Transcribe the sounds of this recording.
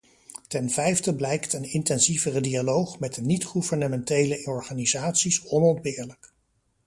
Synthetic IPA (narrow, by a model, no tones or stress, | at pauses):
tɛnvɛjfdəblɛjktənɪntɛnzivərədialowχmɛdənitχuvəɹnəmɛntejləɔɹχanizaːtsisɔnɔndbɪːɹlək